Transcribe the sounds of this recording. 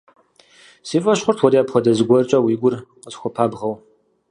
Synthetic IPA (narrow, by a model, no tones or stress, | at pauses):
siːfʼɐɕχʷʊrtʰwɔɾiapχʷɔdɐzɨɡʷɔrt͡ʃʼɐwiːɡʷʊrqəzxʷɔpʰaːbʁɐw